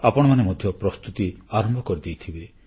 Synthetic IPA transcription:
apɔɽ̃ɔmanemɔd̪ʱjɔpɾɔst̪ut̪iaɾɔmbʱɔkɔɾid̪ejt̪ʰibe

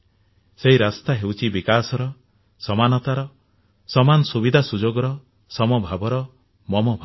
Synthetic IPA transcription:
seɦiɾast̪aɦewt͡ʃʰibikasɔɾɔ | sɔmanɔt̪aɾɔ | sɔmanɔsubid̪ʱasud͡ʒoɡɔɾɔ | sɔmɔbʱabɔɾɔ | mɔmɔbʱa

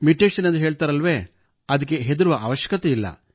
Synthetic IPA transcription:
miʈːeːʂɐnend̪uɦeːɭt̪aːɾɐlʋeː | ɐd̪ɐk̬ːe̞ɦed̪uɾuʋɐʔaʋɐʃjɐ̥kɐt̪eilːɐ̰

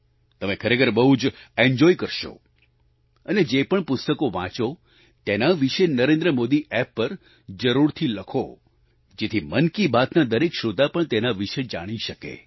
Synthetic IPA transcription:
t̪əmẽkʰəɾekʰəɾbəɦud͡ʒeɲd͡ʒɔikəɾʃo̰ | əned͡ʒepəɳpʊst̪əkoʋã̰t͡ʃo | t̪enaʋiʃenəɾẽnd̪ɾəmod̪iʔɛpːəɾ | d͡ʒəɾuɾt̪ʰiləkʰo | d͡ʒet̪ʰimənkibat̪nad̪əɾekʃod̪ʱapəɳt̪enaʋiʃed͡ʒaɽ̃iʃəkḛ

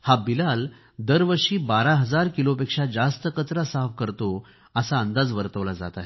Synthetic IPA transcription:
habilal | d̪əɾʋəɾʂiːbaɾaɦəd͡zaɾkilopekʂad͡zast̪əkət͡sɾasafkəɾt̪o | əsaənd̪ad͡zʋəɾt̪əʋlad͡za̰t̪aɦe

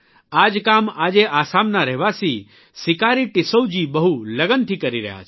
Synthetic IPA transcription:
aːd͡ʒkaːmaːd͡ʒeʔaːsaːmnaɾɛɦʋasi | sɪkaːɾiʈɪsəwd͡ʒibəɦuləɡənt̪ʰikəɾiɾɛ̰ɦa̰t͡ʃʰ

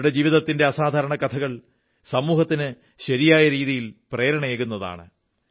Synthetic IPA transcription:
ɽe̞d͡ʑiːʋiðɐt̪ːinde̞ɐsaːd̪ʱaːɾɐɳɐkɐt̪ʰɐɣɐɭ | sɐmuːhɐt̪ːinɨ | ɕɐɾijaːjɐɾiːðijilpre̞ːɾɐɳɐeːɣunːɐða̰ːɳɨ̰

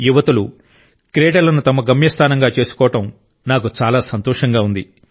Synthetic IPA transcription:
juʋɐt̪ulu | kɾeːʈɐlɐnut̪ɐmɐɡɐmjɐst̪ʰaːnɐŋɡaːt͡ʃe̞ːsu̥kɔːʋɐʈɐm | naːk̬ut͡ʃaːlaːsɐnt̪ɔːʂɐŋɡaːund̪i

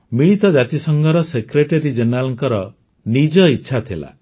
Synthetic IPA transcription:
miɭit̪ɔd͡ʒat̪isɔŋɡɔɾɔsekɾeʈeɾid͡ʒenɾalɔŋkɔɾɔ | nid͡ʒɔitːʃʰat̪ʰila̰

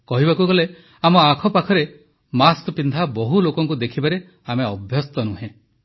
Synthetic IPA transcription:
kɔɦibakuɡɔle | amɔakʰɔpakʰɔɾe | maskɔpind̪ʱabɔɦulokɔŋkud̪ekʰibaɾe | ameɔbʱjɔst̪ɔnuɦẽ

